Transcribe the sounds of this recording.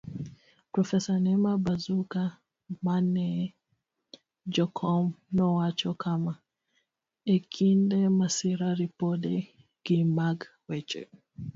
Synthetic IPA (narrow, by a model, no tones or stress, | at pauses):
pɾɔfɛsanɛmabazuka | manɛ | d͡ʒɔkʰɔmnɔwat͡ʃɔkʰama | ɛkʰindɛmasiɾaɾipɔɗɛ | ɡ̥imaɡwɛt͡ʃɛ̰